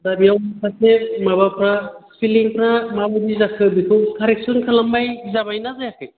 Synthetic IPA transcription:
dabijawpʰasemabapʰɾapʰiliŋpʰɾamabɯdizakʰɯbikʰɯwkʰaɾeksɔnkʰalamːajzamajnazajakʰɯ

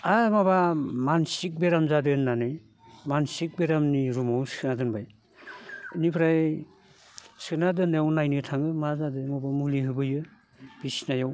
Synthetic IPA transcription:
amabamansik̚beɾamzadɯnːanɯj | mansik̚beɾamniɾumawsɯnadɯnbaj | nipʰɾaj | sɯnadɯnajawnajnɯtʰaŋɯmazadɯmɔbamuliɦɯbɯjɯ | b̥isinajaw

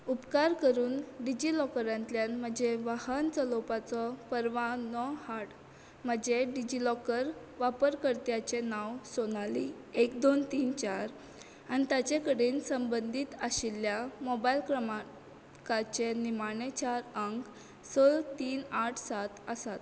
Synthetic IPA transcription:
upkaɾkəɾuːnɖid͡ʑilɔkəɾãnt̪ljanm̤əd͡ʑeʋahənt͡səlopat͡sɔpəɾʋãnɔhaʈ | m̤əd͡ʑeɖid͡ʑilɔkəɾ | ʋapəɾkəɾt̪jat͡ɕenawsonali | ekd̪ont̪iːnt͡ɕaɾ | añit̪at͡ɕekəɽiːnsəmbənd̪ʱiːt̪əɕiljamɔbailkɾəma | kat͡ɕenimaɳet͡ɕaɾəŋk | solt̪iːnaʈʰsat̪əsat̪

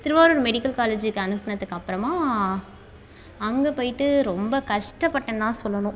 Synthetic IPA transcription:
t̪ɪɾɯʋaːɾoɾɯmɛɽɪkːɐlkaːled͡ʒɪkːɯɐɳɯpːɐnɐðɯkːɐpːɯɾɐmaː | ɐŋɡɐpoːjɪʈːɯɾɔmbɐkɐʂʈɐpːɐʈːɐnt̪ãːsɔlːɐnʊ̃

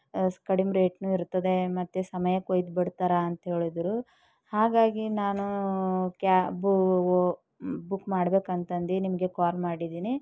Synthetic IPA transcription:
skɐɽimɾeːʈnuːiɾt̪ːɐd̪e̞mɐt̪ːesɐmɐjɐkojd̪bɐɽt̪aɾɐːnt̪ɐɦe̞ːɭid̪ɾu | haːɡaːɡinaːnukaːbu | bukːmaːɽbeːkɐnt̪ɐnd̪inimɐɡe̞kaːlmaːɽid̪iːni

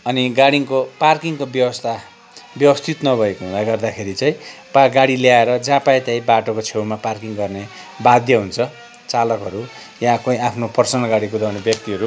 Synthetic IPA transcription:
ʌniɡaɽiŋkoparkiŋkobjʌwʌst̪ʰa | bjʌwʌst̪ʰit̪nʌbʱʌekoɦũnd̪aɡʌrd̪akʰeɾit͡saĩpaɡaɽiljaeɾʌd͡zãpaet̪jãĩbaʈokot͡sʰewmaparkiŋɡʌrne | bad̪ʱjʌɦunt͡sʰʌ | t͡salʌkɦʌɾu | jãkoĩapʰnopʌrsʌnʌlɡaɽikud̪awnebjʌk̚t̪iʌɾu

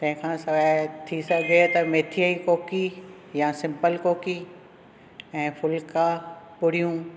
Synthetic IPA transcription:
t̪ɐ̃ɦɪ̃kʰãːsɐʋɛt̪ʰisɐɡʱet̪ɐmeːt̪ʰijaikoːki | jasɪ̃mpəlkoːki | ɛ̃ːfʰʊlkapʊɽ̤ijũ

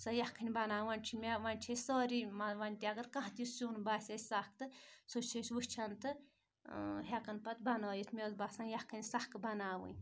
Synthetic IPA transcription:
sɐjɐhkʰɨnʲbɐnaːʋɐnʲt͡ʃʰimʲeʋɐnʲt͡ʃʰesɔːɾimɐʋɐnʲt̪ʲiɐɡɐɾkɐ̃ɦt̪issuːnbaːsʲɐsʲsak̚t̪ɨsot͡ʃʰiʃʲʋust͡ʃʰɐnt̪ɨ | ɦekɐnpɐt̪bɐnoːjit̪ʰmʲezbasãnjɐhkʰɨnʲsahkbɐnaːʋɨ̰nʲ

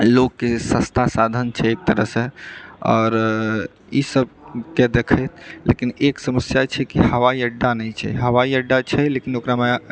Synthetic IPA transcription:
lokːesə̃st̪ʰasad̪ʱənt͡ʃʰɛek̚t̪əɾəɦsẽɔːɾ | isəb̚ked̪ekʰəjt̪̚ʰlḛkineksəməsjat͡ʃʰɛkihəʋaiəɖːanɛjt͡ʃʰɛ̰ɦəʋaiəɖːat͡ʃʰɛlekinokɾame

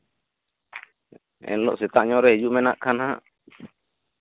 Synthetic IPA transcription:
ɛ̰nlɔ̰ʔsɛt̪aʔɲɔ̃ɾɛhɛd͡ʒumɛna̰ʔkʰanhaʔ

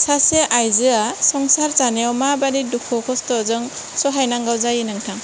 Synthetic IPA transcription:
saseʔajzɯasɔŋsaɾt͡ʃanijawmabadidukʰɔkʰɔstɔzɯŋ | sɔɦajnaŋɡawzajinɯŋtʰaŋ

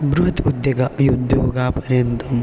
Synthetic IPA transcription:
bɾuɦɐt̪ud̪jɐɡajud̪ʱːɐɦoɡaːpɐɾjɐnt̪ɐm

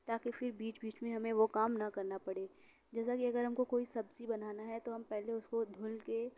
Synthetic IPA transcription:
t̪aːkifɪɾbiːt͡ʃbiːt͡ʃmẽɦɐmẽʋokaːmnɐkɐɾnapɐɽeː | d͡ʒɛːsakiɐɡəɾɦɐmkokoːisɐbzibɐnaːnaɦɛt̪oɦɐmpɛɦleʊskod̪ʱʊlke

